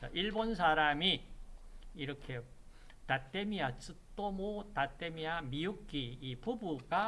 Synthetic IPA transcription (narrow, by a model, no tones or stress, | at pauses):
t͡ɕaʔiɭbons̬ʰaɾami | iɾʌkʰe | tat͈emias͈ɯt͈omotat͈emiamijuk͈iːpubuɡa